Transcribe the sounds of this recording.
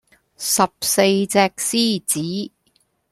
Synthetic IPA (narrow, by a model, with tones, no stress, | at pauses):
sɐ˨p̚se˧jt͡sɛː˧k̚siː˥t͡siː˨˥